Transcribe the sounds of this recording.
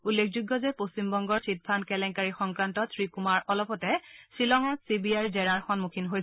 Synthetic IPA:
ulːekʰzuɡːɔzɛpost͡ɕimbɔŋɡɔɹtʰit̚pʰankɛlɛŋkaɹixɔŋkɹantɔtʰɹikumaɹɔlɔpɔtɛsilɔŋasibiajzɛɹaɹxɔnmukʰinɦoj

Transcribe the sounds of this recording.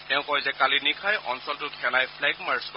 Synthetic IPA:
tɛʊ̃kɔjzɛkalinikʰajʔɔ̰nsɔltʊkʰɛlajpʰlɛɡmaɹskɔ

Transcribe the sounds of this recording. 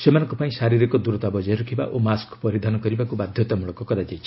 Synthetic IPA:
semanɔ̃ŋkɔpaĩsaɾiɾikɔd̪uɾɔt̪abɔd͡ʒɔjɾukʰiba̰ʔʔomaskpɔɾid̪ʱanɔkɔɾibakubad̪ʱjɔt̪amuɭɔkɔkɔɾad͡ʒajt͡ʃʰi̥

